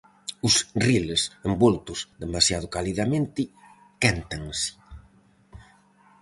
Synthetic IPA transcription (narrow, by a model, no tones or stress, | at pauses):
ʊsrilesembolt̪ʊzðemasjað̞ʊkaliðamẽnt̪ɪ | kant̪aŋsɪ̥